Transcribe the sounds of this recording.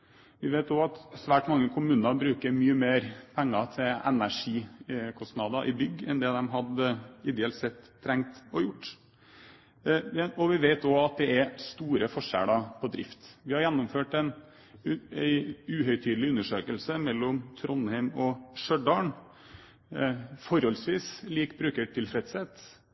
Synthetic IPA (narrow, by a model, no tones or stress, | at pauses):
ʋɪʋeɪt̪oːɑt̪sʋæːʈmɑŋːəkʰʊmʉːnəɑɾbɾʉːkəɾmyːəmeːɾpʰɛŋːɑt̪ʰɪlɛ̰næʂiːkʰɔsnɑd̪ɑʔɪbʏɡːɛnd̪ɛd̪ɛmɦɑd̪əɪd̪ɛɛlt̪sɛt̪ʰːɾɛŋt̪ɔjʊʈː | ɛɔʋɪʋeɪt̪oːɑt̪̚d̪ɛɛst̪uːɾəfɔʂæ̰ɽɑpʰɔd̪ɾɪ̰ft̪ʋɪhɑɾjɛnːʊmføːʈɛn | ɛɪʉːɦœʏt̪ʰyːd̪l̩ɪʉnːəʂøːkəlsəmɛlːɔmt̪ʰɾɔnhæɪmɔʂœɖɑːɳ | fɔɾhɔlsʋiːsliːkbɾʉːkəʈʰɪlfɾɛt̪sɛt̪